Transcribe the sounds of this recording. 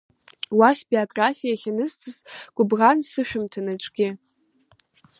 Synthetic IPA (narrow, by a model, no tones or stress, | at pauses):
wasbioɡʼrafijaχʲanɨztʰʼɨzɡ̥ʷʼʊbʁansɨʃᶣʊmtʰanat͡ʃʷʼɡ̥ʲɪ